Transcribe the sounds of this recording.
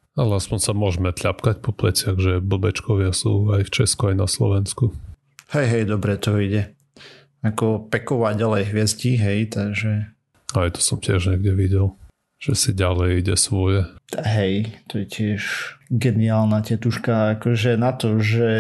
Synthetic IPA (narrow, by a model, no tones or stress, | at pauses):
alɛaspɔɲsamʊɔʒmɛt̪ʎapkacpɔplɛt͡sɪaɣʒɛbl̩bɛt͡ʃkɔʋɪasuːajft͡ʃɛskuajnaslɔ̰ʋɛnsku | hɛjɦɛjd̪ɔbɾɛt̪ɔiɟɛ | akɔpɛkɔʋaɟalɛjɦʋɪɛzɟiɦɛjt̪aɡʒɛ | ajt̪ɔ̥sɔmcɪɛʒɲɛɡɟɛʋiɟɛlˠ | ʒ̥ɛsiɟalɛjiɟɛsʋɔjɛɦɛjt̪ɔjɛcɪɛʃɡɛniaːlnacɛt̪uʃkaakɔʒɛnat̪ɔʒɛ